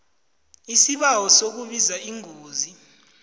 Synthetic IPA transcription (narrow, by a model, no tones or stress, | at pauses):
isiɓawɔsok̬uɓizaiŋʱoːzi